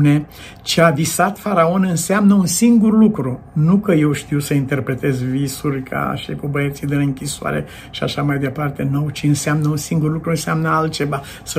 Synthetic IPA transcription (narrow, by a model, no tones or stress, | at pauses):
ne̞ | t͡ʃeavisat̪faɾao̞nɨnseamnəunsiŋɡurlukɾu | nukəje̞wʃt̪iwsəint̪e̞rpɾe̞t̪e̞zvisurʲkʰa̰ʃikubəet̪sid̪ɨnɨŋkʲisoa̰ɾe̞̰ | ʃia̰ʃamajd̪e̞part̪e̞nowt͡ʃiɨnseamnəunsiŋɡurlukɾuɨnseamnəalt̪̚t͡ʃe̞va | sə